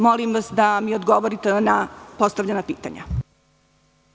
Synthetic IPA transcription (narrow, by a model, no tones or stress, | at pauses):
molimʋasd̪amiod̪ɡo̞ʋoɾit̪enapo̞st̪aʋʎenapiːt̪a̰ɲa̰